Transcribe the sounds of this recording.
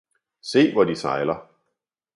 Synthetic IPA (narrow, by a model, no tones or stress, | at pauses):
se̝̰ːʋɒd̥isɑ̈ɪlɐ